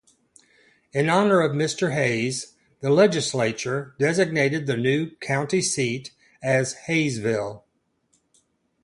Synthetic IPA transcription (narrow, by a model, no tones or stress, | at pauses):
ɨ̃nɑnə˞ʌvmɪstə˞ɦeɪz | ðɨlɛd͡ʒɨsleɪt͡ʃə˞dɛzɨɡ̚neɪɾɨd̪̚ðɨnʉkʰãʊ̃ntisiɾ | ɨz̥heɪzvɪlˠ